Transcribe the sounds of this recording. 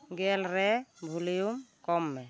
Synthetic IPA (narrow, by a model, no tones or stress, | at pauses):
ɡɛlɾɛbʱulijumkɔmːɛ